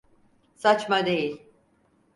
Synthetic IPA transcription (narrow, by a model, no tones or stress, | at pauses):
sat͡ʃmad̪e̞jilʲ